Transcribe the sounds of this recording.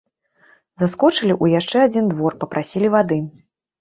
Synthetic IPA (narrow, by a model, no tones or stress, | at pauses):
zaskɔt͡ʂɨlʲiʔujaʂt͡ʂɛad͡zʲind̪vɔrpɐpɾʔasʲilʲivad̪ɨ